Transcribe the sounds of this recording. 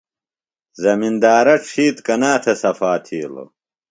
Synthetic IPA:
zɐmind̪aːɾɐʈ͡ʂʰiːt̪kɐnaːt̪ʰesɐfaːt̪ʰiːlo̰

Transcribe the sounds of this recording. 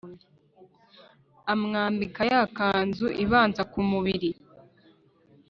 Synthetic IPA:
amŋaːmbikajakaːnzuʔiβaːnzakumuβiɾi

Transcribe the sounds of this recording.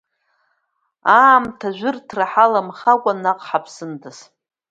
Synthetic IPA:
aːmtʰaʒᶣʷʊrtʰraħalamχakʷʼanaqʼħapʰsɨndʰɨs

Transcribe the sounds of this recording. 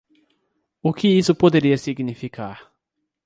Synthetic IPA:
ʊkɪisʊpod̪eɾiɐsiɡnifikʰaɾ

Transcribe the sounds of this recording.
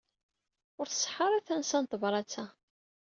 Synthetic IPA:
ʊɾθə̥sˤħəɾˤæθænsænt̪ˤvɾˤɑt͡sːæ

